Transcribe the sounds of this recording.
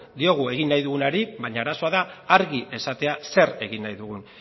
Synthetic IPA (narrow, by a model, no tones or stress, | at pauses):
d̪io̞ɣue̞ɣ̞inːajðuɣ̞unaɾiβaɲaaɾaso̞aðaːɾɣie̞sat̪e̞ase̞ɾe̞ɣinːajðuɣun